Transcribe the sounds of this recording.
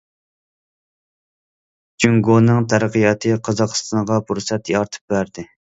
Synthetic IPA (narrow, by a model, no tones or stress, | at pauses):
d͡ʒyŋɡonɨŋt̪ʰæɾqijɑt̪ʰɨqʰɑzɑqɨ̥st̪ʰɑɴʁɑpʰuɾsɛt̪jɑɾt̪ʰɨ̥p̚bæɾd̪ɪ